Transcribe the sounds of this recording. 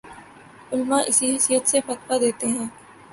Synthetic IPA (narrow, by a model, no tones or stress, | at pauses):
ʊlmaʔɪsiɦɛsijət̪sefɐt̪fad̪eːt̪eɦɛ̃ː